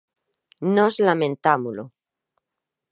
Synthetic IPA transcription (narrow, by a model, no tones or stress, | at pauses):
nozlamẽnt̪amulo